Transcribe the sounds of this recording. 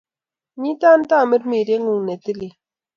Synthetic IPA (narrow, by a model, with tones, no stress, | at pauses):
ɲi˦t̪a˦n˦t̪a˦˨mi˦ɾmi˨ɾe˦ŋu˨ŋne˨t̪i˦li˨